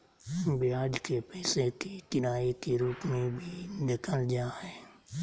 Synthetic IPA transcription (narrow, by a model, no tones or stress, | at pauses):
bɪaːd͡ʒkepɛːsekit̪ɪnaːikiɾuːkmẽbʱinɪkʰəld͡ʒaːɦɛː